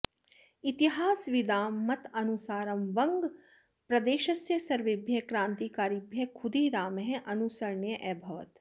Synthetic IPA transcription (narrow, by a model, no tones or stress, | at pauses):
it̪iɦaːsʋid̪aːmːɐt̪ɐnusaːɾɐmʋɐŋɡ | pɾɐd̪eːʃɐsjɐsɐɾʋɪbʱjɐkɾãːnt̪ikaːɾibʱjɐkʰʊd̪iːɾaːmɦɛ̃ʔɐnusɐɾɳjɐʔɛbʱɐʋɐ̰t̪